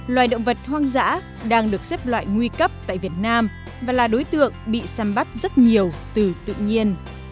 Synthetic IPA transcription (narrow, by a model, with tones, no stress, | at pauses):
lwaː˨˩jɗə̰˧˨wŋ͡mvə˨˩t̚hwaː˧ŋza̰ː˧˥ | ɗaː˧ŋɗɨ˨˩ək̚seɛ˦˥p̚lwa̰ː˧˨jŋwi˧kə˦˥p̚t̪a̰ː˧˨jvi˨˩ət̚naː˧m | vaː˨˩laː˨˩ɗo˨˦jt̪ɨ̰˧˨əŋɓḭ˧˨saː˨˦mɓa˦˥t̚zə˦˥t̚ɲi˨˩əwt̪ɨ˨˩t̪ɨ̰˧˨ɲi˧ən